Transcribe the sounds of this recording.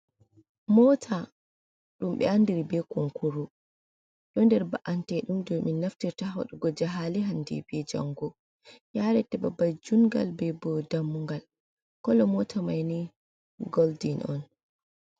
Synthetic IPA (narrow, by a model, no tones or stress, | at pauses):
mɔtʰa | ɗumɓɛ̰andiɾibɛkɔŋkuɾu | ɗɔndɛɾba̰ʔantɛɗumdɔminːaftiɾtaɦɔ̰ɗɔɡɔd͡ʒaɦaliɦandḭbɛd͡ʒa̰ŋɡɔ | jaɾɛtɛbabad͡ʒuŋɡa̰lbɛbɔdamːuŋɡal | kɔlɔmɔtʰamajni | ɡɔldinɔ̰n